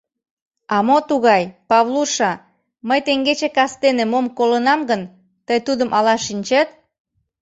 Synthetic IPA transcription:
ɑmot̪uɣɑjpɑβluʃɑ | məjt̪eŋɡet͡ɕekɑst̪enemomkolənɑmɡən | t̪əjt̪ud̪əmʔɑlɑʃinʲt͡ɕet̪̚

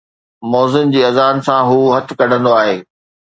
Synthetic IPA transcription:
mɔːzɪnd͡ʑiːɐzaːnsãɦuːɦɐt̪̆ʰkɐɖ̤ʱə̃nd̪oaːɦeː

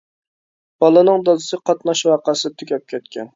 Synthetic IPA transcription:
b̥ɑlˠɨnɨŋd̪ɑzɨsɨqʰɑt̪nɑʃwɑːqəsɪt̪ʰykʲʰɛp̚kʲʰɛt̪̚kʲʰɛn

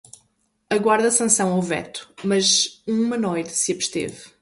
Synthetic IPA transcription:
ɐɣwaɾðɐsɐ̃sɐ̃w̃awvɛ̰t̪u̥mɐzũmɐnojt̪ɨsɨɐβʃt̪ḛv

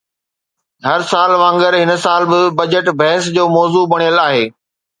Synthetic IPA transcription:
ɦɐɾsaːlʋãːŋɡəɾɦɪn̆saːlbɪbɐd͡ʑəʈbʱɛɦɪs̬d͡ʑoːmɔːzubɐɽ̃ijəlaːɦeː

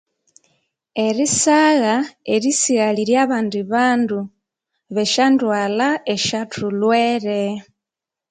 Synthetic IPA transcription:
eɾisaɣaeɾisiɣaliɾjaβaːndiβaːndu | βeʃandwaːlaeʃatʰulweɾe

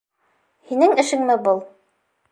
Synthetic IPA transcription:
hinɘŋɘ̆ʃɘ̆ŋmɘbɤlˠ

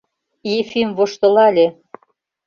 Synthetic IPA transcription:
jefimvoʃt̪ɤ̆lɑlʲe

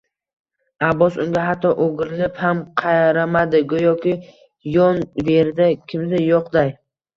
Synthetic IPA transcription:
abːɒsʊŋɡʲaɦat̪ʰːɒʔoɡʲɪɾɪlɪphamqʰɑjɾamad̪ɪɡʊjɒkʲɪ | jɒnve̞ɾd̪akʲʰɪmd̪ɪjɒqd̪aj

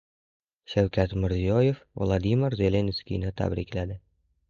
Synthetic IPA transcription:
ʃæwkʲæt̪mɪɾzijojefvlˠɑd̪imɪrzelʲenskʲijnɪt̪ʰæ̰bɾiklæd̪ɪ

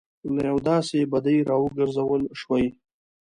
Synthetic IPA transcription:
najawd̪ɑsebad̪ajɾɑwəɡəɾzawəlʃwaj

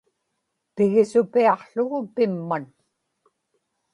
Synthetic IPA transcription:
pɪɣɪsʊpiɑqɬʊɣʊpɪmːan

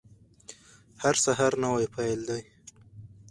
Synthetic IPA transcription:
haɾsaɦaɾnawajpʰajld̪aj

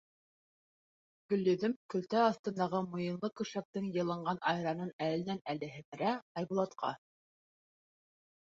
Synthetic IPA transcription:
ɡ̥ɵ̆lːɵ̆ðɵmkɵ̆lt̪æɑθt̪ɤ̆nd̪ɑʁɤmŏjɤ̆nlˠɤkɵ̆ʃæk̚t̪ɘŋjɤ̆lˠɤ̆ɴɢɑnʔɑjɾɑnɤnælɘ̆nænælɘ̆ɦɘ̆mɘ̆ɾæɑjbulˠɑt̪qʰɑ̰

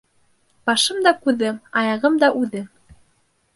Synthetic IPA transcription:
b̥ɑʃɤmd̪ɑkʉðɘɑjɑʁɤmd̪ɑʔʉðɘ

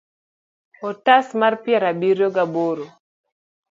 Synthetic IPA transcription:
ɔtasmarpjɛɾabiɾjoɡaboɾo

